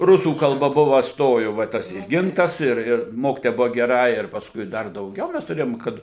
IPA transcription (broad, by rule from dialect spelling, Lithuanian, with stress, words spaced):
ˈrʊsuː kɐlˠˈbɐ ˈbʊʋɐ ˈstoːjʊ ʋɐ ˈtɐs ɪ ˈɡʲɪntɐs ɪr ˈɪr ˈmoːkʲɪtoːjɛ ˈbʊʋɐ ɡʲɛˈrɐ ɪr pɐsˈkʊɪ ˈdɐr dɐʊˈɡʲɛʊ ˈmʲɛs tʊˈrʲeːjoːm ˈkɐt